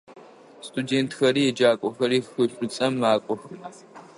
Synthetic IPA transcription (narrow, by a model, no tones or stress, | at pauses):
stʰʼudeːntxɐɾiːjɛd͡ʒaːkʷʼɔxɐɾiːxxʷɨɕʷʼʊt͡sʼɐmːaːkʷʼɔxɨ